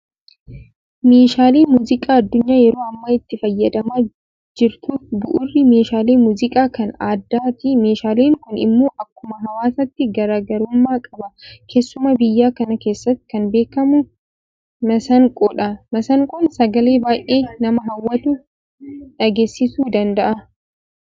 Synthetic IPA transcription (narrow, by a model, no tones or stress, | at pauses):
meːʃaːleːmuːzɪkʼaːɐd̪ːʊɲːaːjɛɾo̞ːɐmːaɪt̪ːɪfɐjːɐd̪ɐmaː | d͡ʒɪɾt̪uːfbʊʔʊrːɪme̞ːʃaːleːmuːzɪkʼaːkɐnaːd̪ːaːt̪ime̞ːʃaːleːŋkʊnɪ̰mːo̞ːʔɐkːʊmɐɦɐwaːsɐt̪ːɪɡɐɾaːɡɐɾʊmːaːkʼɐbɐkʰe̞ːsːʊmɐbɪjːaːkɐnɐke̞ːsːɐt̪ːɪ̥kɐnbe̞ːkːɐmʊ | mɐsɐŋkʼɔːᶑɐmɐsɐŋkʼɔnsɐɡɐle̞ːbaːjʔe̞ːnɐmɐɦɐwːɐt̪ʊ | ᶑɐɡe̞ːsːɪsuːd̪ɐnd̪ɐʔɐ